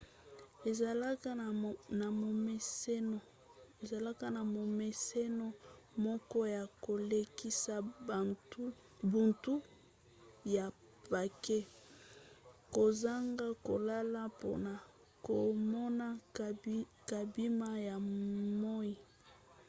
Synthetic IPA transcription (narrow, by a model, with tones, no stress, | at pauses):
e˨za˨la˦ka˦˨na˨mo˨me˦se˦no˨ | e˨za˨la˦ka˦na˨mo˨me˨se˦no˦ | mɔ˦kɔ˦ja˨ko˨le˦ki˦sa˦˨tu˦ | bu˨ntu˦ | ja˨ | pa˨ke˦ | ko˨za˦ŋɡa˦ko˨la˦la˦po̰˨na˨ | ko˨mɔ˦na˦ | ka˨bi˦ma˦ja˨mɔ˦i˦